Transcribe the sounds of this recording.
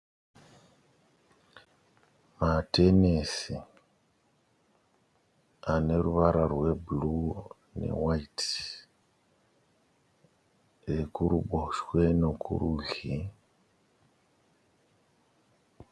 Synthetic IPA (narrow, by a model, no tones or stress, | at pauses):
mate̞nesi | ane̞ɾuβaɾarwe̞bulu | ne̞̰wait | ekuɾuɓoʃwe̞no̞kṵɾuɮi